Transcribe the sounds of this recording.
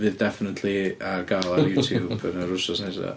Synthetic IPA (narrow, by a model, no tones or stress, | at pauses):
vɨðdɛfɪnətʰliarɡalˠarjuːtʰjuːbənəɾʊsɔsnesa̰